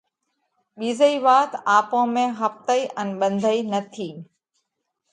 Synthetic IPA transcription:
ɓiːzəiːʋaːt̪aːpõːmẽɦɐft̪əiʔənɓə̃nd̪ʱəinɐt̪ʰiː

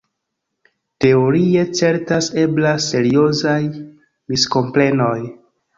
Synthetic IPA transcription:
te̞o̞ɾie̞t͡se̞ɾtase̞blase̞ɾio̞zaj | misko̞mple̞no̞j

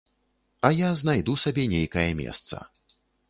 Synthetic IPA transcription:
ɐjaznajd̪usabʲɛnʲejkɐjɐmʲɛ̰st̪sɐ̰

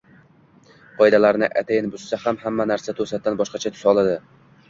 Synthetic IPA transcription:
qʰɒjd̪alaɾnɪʔat̪ʰajɪnbʊssahamhamːanaɾsat̪ʰɵsat̪ːanbɒʃqɑt͡ʃʰat̪ʰʊ̥sɒlˠad̪ɪ

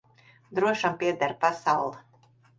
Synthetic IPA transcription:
d̪ɾuɔʃampʲiɛd̪aɾpasawlˠ

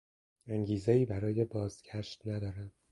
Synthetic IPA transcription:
æŋɟiːzeiːbæɾɒːje̞bɒːzɡ̥æʃt̪næd̪ɒːɾænd̪̥̚

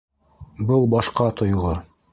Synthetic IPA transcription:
bɤlˠbɑʃqɑt̪ŏjʁɤ

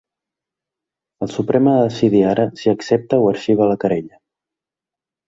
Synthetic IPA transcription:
əlˠsupɾɛməðəsiðiaɾəsiəksep̚t̪əwəɾʃiβ̞ələkəɾeʎə

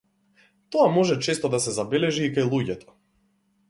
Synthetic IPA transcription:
t̪ɔamɔʒɛt͡ʃɛst̪ɔd̪asɛzabɛlɛʒiːkajlˠuɟɛt̪ɔ̥

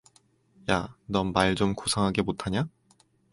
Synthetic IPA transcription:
janʌmːaɭd͡ʑomkosʰaŋɦaɡe̞motʰaɲa

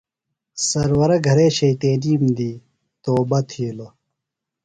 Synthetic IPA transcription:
sɐɾwɐɾɐɡʱɐɾeːɕɐit̪eːliːmd̪iː | t̪oːbɐt̪ʰiːlo

